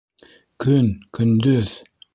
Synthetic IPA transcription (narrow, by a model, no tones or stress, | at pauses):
kʰɵnkʰɵnd̪ɵð̥